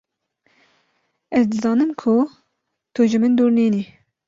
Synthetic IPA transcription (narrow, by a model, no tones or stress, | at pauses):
ɛzd̪ɨzɑːnɨmkʰʊ | t̪ʰuʒɪmɨnd̪uːɾniːni